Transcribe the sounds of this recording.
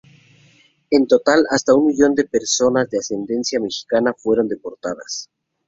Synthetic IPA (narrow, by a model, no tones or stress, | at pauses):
e̞nt̪o̞t̪alast̪aunmiʝo̞nd̪e̞pe̞ɾso̞nazd̪ease̞nd̪e̞nsjame̞xi̥kanafwe̞ɾo̞nd̪e̞po̞ɾt̪aða̰s